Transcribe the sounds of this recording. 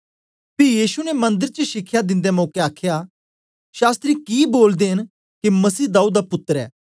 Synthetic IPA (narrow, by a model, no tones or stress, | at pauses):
pʰɪjiːʃunɛmɐ̃nd̪əɾt͡ʃəʃɪkʰːjad̪ɪ̃nd̪ɛmɔ̃ːkeaːkʰja | ʃaːst̪ɾikiboːld̪eɦɪn | kimɐsiːd̪aːuːd̪dapʊt̪ːəɾɛ̰ː